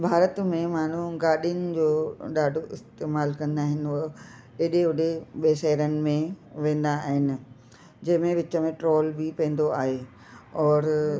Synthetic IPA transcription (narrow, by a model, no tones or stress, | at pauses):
bʱaːɾət̪mẽmaːn̤uɡaːɗijənɪ̆d͡ʑoːɗaːɖʱoʔɪst̪eːmaːlkɐ̃nd̪aːɦɪnɪ̆ | eɗeʊɖeɓeːʃɛɦɾənɪ̆mẽʋẽːn̆d̪aːɦɪnɪ̆ | d͡ʑɐɦɪ̃mẽʋɪt͡ɕə̆mẽʈɾoːlbɪpɛ̃ːnd̪oaːɦe | ɔːɾ